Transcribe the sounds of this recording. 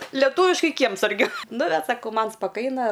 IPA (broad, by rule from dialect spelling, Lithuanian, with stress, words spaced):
lʲɛˈtuːʋʲɪʃkɐɪ ˈkʲiɛmsɐrʲɡʲʊ nʊ bʲɛt sɐˈkɐʊ ˈmɐn spɐˈkɐɪnɐ